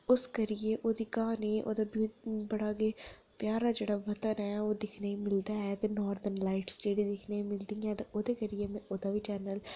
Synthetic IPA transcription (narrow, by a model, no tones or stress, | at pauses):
ʊskəɾɪjeːʔoːd̪iːkaːniːʔo̰ːd̪aːbibəɽaːɡeː | pjaːɾaːd͡ʒeːɽaːʋət̪ənɛːoːd̪ɪkʰnaːiːmɪld̪aːɛːt̪eːnɔːɾd̪ənlaːɪʈsʈeːɖiːd̪ɪkʰneːimɪld̪iːãːt̪eːʔoːd̪eːkəɾɪjeːmɛ̃ʔoːd̪aːʋiːt͡ʃɛːnəl